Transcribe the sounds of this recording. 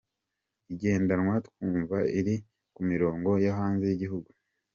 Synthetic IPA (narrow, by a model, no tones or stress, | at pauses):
iɟe̞ːndanŋwatwuːɱvaiɾi | kumiɾo̞ːŋɡo̞jaɦaːnzijiɟiɦuɡu